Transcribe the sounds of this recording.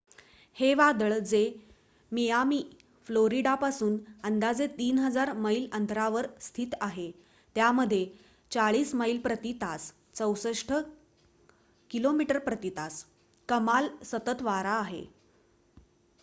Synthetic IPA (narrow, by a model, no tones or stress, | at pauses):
heʋad̪əɭd͡ze | mijamiː | floɾiɖapasuːnənd̪ad͡zet̪iːnɦəd͡zaɾməilənt̪ʰɾaʋəɾst̪ʰiːt̪aɦe | t̪jaməd̪ʱːje | t͡saɭiːsməilpɾət̪it̪as | t͡səwsəʂʈʰə | kilomiʈəɾpɾət̪it̪as | kəmalsət̪ət̪ʋaɾaːɦḛ